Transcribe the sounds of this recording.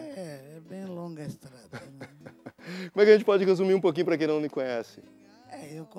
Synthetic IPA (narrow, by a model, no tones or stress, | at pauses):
ɛɛbẽj̃lõɡɐest̪ɾad̪ | komɛkɪɐʒẽnt͡ʃɪpɔd͡ʒɪɦezumiɾũpok̬ĩɲ̃ʊpɾɐk̬ẽj̃nɐ̃w̃lɪkõɲɛsɪ | ɛewk